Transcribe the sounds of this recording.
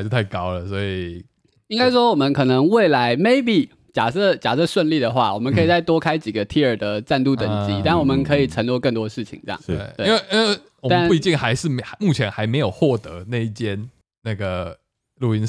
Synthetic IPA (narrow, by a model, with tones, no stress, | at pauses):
t͡ɕo˥˧ʊt̪ʰa˥˩ɪkɑ˦˥ʊlə˨swɔ˧˥i˨˩ | i˥ŋka˥ɪʂwɔ˥wɔ˨˩mə˧˦nkʰɤ˨˩nə˧˦ŋwe˥˩ɪla˧˥ɪme˥˩ɪpi˨˩ | t͡ɕja˨˩ʈ͡ʂə˥˩t͡ɕja̰˨˩ʈ͡ʂə˥˧ʂwə˥˧nli˥˨˩d̪ə˩xwa˥˩wɔ˨˩mə˦kʰɤ˧˥i˨˩t͡sa˥˩ɪt̪wɔ˥kʰa˥ɪt͡ɕi˨˩ɡə˩˦t̪ʰi˥ə˞˨˩d̪ə˩ʈ͡ʂa˥˧nt̪u˥˩t̪ə˨˩ŋt͡ɕi˧˥t̪a˥˩nwɔ˨˩mə˦nkʰɤ˧˦i˨˩ʈ͡ʂʰə˧˥nljo˥˧ʊkə˥˩nt̪wɔ˥˧ə˧ʂɻ̩˥˩t͡ɕʰḭ˨˦ŋt͡se˥j̰ɑ̰˨˩˥we˥˩˦nwe˥˩ʔi˥nwe˥˩ | wmt̪a˥˨nu˥˧i˧˥t͡ɕi˥˨˩ŋxa˧˥ɪʂɻ̩˥˨a˧mu˥˩t͡ɕʰjɛ˧˦nxa˧˥ɪme˧˥ɪjo˨˩ʊxwɔ˥˩t̪ɤ˧˦na˥˧i˥˩t͡ɕjɛ˥n | na˥˩ɡə˩ | lu˨˩i˧˥n